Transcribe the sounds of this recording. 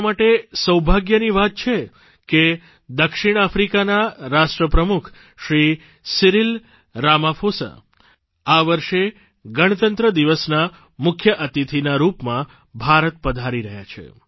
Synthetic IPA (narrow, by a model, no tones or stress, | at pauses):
maʈesəwbʱaɡjəniʋat̪̚t͡ʃʰe | ke | d̪əkʃiɽ̃afɾikanaɾaʃʈɾəpɾəmukʰ | ʃɾi | siɾil | ɾamafʰosa̰ | aʋəɾʃe | ɡəɽ̃ət̪ənt̪ɾəd̪iʋəsna | mʊkʰjəʔət̪it̪ʰinaɾupmã | bʱaɾət̪pəd̪ʱaɾiɾəɦja̰t͡ʃʰḛ